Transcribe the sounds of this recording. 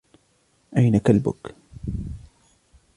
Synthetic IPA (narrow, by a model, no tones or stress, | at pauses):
ʔajnakalbʊ̰k